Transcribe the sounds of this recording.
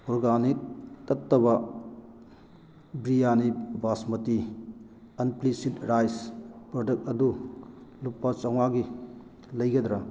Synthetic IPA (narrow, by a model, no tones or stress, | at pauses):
ɔɾɡanik̚tɐtːɐβɐ | bɾijanibasmɐti | ɐnplisitɾajspɾodɐk̚tɐdulupːɐt͡ʃɐŋmaɡi | lɐjɡɐd̪ɾɐ